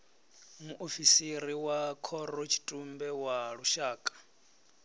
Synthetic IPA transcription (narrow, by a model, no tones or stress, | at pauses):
muʔofisiɾiwakʰɔɾɔt͡ʃʰi̥tʼumbɛwaɺuʃaːkʼḁ